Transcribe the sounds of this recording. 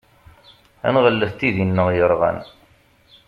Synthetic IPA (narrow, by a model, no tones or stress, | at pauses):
æ̰nʁəlːəθt̪iðinːəʁjəɾˤʁæ̰n